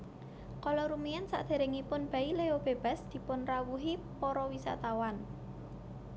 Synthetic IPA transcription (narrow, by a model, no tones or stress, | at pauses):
kɔlɔɾumiansa̰ʔd̪̥e̤ɾeŋipʊnb̥a̤ileob̥e̤b̥a̤sd̪̥i̤pʊnrawuɦipɔɾɔwisa̰t̪awan